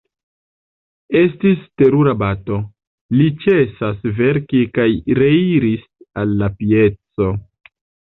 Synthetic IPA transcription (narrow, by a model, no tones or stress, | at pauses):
e̞stiste̞ɾuɾabato̞ | lit͡ʃesasve̞ɾkikajɾeiɾisalːapije̞t͡so̞